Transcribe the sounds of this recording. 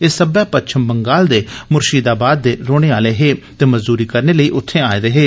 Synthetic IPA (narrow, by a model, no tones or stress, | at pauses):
eːsəbɛːpətːt͡ʃʰəmbəŋɡaːld̪eːmʊɾʃiːd̪aːbaːd̪̚ːeːɾoːɽ̃eːaːleːɦeː | t̪eːməzd̪uːɾiːkəɾneːləiːʔʊt̪ʰːẽːaːeːɾəɦeː